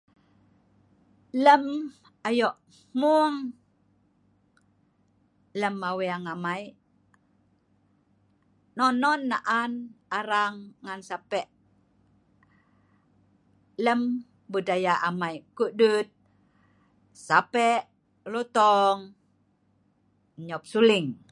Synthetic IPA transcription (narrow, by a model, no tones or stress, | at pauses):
ləm | ajɔʔ | muŋ | ləmːaweaŋamai | nɔnɔnːa̰ʔanaɾaŋːansapɛʔ | ləm | budajaʔamajkuʔdut̪̚ | sapɛʔ | lɔt̪ɔŋ | ɲɔp̚suliŋ